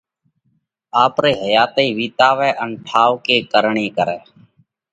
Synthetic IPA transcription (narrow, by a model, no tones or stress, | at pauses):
aːpɾeːɦəjaːt̪eiːʋiːt̪aːʋɛːʔənʈʰaːʋkeːkəɾɳeːkəɾɛː